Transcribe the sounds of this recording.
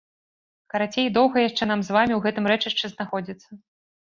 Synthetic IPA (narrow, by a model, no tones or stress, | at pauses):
kɐɾat͡sʲejd̪ɔwɣɐjaʂt͡ʂɛn̪amzvamʲiwɣɛt̪ɨmɾɛt͡ʂɨʂt͡ʂɛznaxɔd͡zʲit̪sːɐ